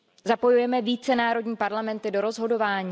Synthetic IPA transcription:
zapo̞jujɛmɛviːt͡sɛnaːɾo̞dɲiːpaɾlamɛnt̪ɪdo̞ɾo̞zɦo̞do̞vaːɲiː

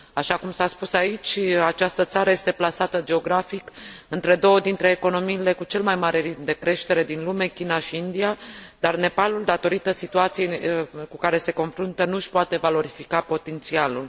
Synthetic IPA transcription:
aʃakumsaspusait͡ʃʲat͡ʃast̪ət̪saɾəje̞st̪e̞plasat̪əd͡ʒe̞o̞ɡɾafikɨnt̪ɾe̞d̪o̞wəd̪int̪ɾe̞ːko̞no̞miːle̞kut͡ʃe̞lmajmaɾe̞ɾit̪̚md̪e̞kɾe̞ʃt̪e̞ɾe̞d̪inlume̞kʲinaʃiind̪iad̪arne̞paluld̪at̪o̞ɾit̪əsit̪uat̪sijekukaɾe̞se̞ko̞nfɾunt̪ənuʃpoat̪e̞valo̞ɾifikapo̞t̪e̞nt̪sialul

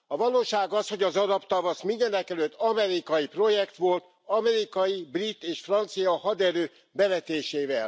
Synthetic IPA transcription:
ɒvɒloːʃaːɡɒsho̞ɟɒzɒɾɒpt̪ɒvɒsmind̪ɛnɛkɛløt̪ːɒmɛɾikɒjipro̞jɛkt̪ʋo̞lt̪ | ɒmɛɾikɒjibrit̪ːeːʃfrɒnt̪sijɒhɒd̪ɛɾøː | bɛvɛt̪eːʃeːvɛl

